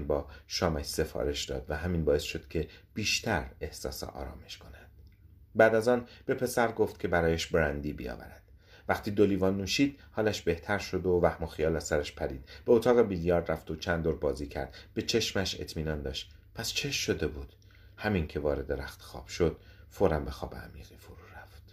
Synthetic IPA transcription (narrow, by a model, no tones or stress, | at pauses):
nbɒːʃɒːmæʃse̞fɒ̰ːɾe̞ʃd̪ɒ̰ːd̪̥væɦæminbɒːe̞sʃo̞d̪̥cʰe̞b̥iːʃt̪ʰæɾe̞hsɒ̰ːsḛʔɒ̰ːɾɒ̰ːme̞ʃkʰo̞nænd̪̥̚ | bæːd̪æzɒːnb̥e̞pʰe̞sæɾɡo̞ft̪cʰe̞bæɾɒːjæʃbɾænd̪iːbḭɒ̰ːvæ̰ɾæd̪̥ | væxt̪ʰiːd̪oliːvɒːnːuːʃiːd̪̥hɒːlæʃbe̞ht̪ʰæɾʃo̞d̪ovæhmoxijɒːlæsæɾæʃpʰæɾiːd̪̥b̥eot̪ʰɒːɣe̞biljɒːɾd̪ræft̪ot͡ʃʰænd̪oːɾbɒːziːcʰæ̰ɾd̪b̥e̞t͡ʃʰe̞ʃmæʃe̞̰t̪ʰmiːnɒːnd̪ɒːʃt̪ | pʰæst͡ʃʰe̞ʃːo̞d̪e̞buːd̪̥ | hæmincʰe̞vɒːɾe̞d̪eɾæxt̪ʰe̥xɒ̰ːb̥ʃod̪̥ | foɾæmbe̞xɒːbḛæ̰miːɣ̥ifoɾuːɾæft̪